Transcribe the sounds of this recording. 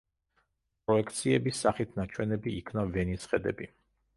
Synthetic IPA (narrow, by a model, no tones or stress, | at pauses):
p̚ʼɾɔɛkʰt̪sʰiɛbisːaχit̪ʰnat͡ʃʰwɛnɛbiːkʰnavɛnisχɛd̪ɛ̰bi